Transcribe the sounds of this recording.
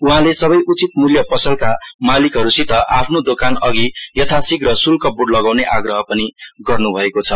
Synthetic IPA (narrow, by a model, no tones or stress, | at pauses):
uɦãlesʌβʌjʔut͡sit̪muljʌpʌsʌlkamalikɦʌɾusit̪ʌʔapʰnod̪okanʌɡijʌt̪ʰasikrʌsulkʌbuɽlʌɡawneʔaɡrʌɦʌpʌniɡʌrnubʱʌekot͡sʰʌ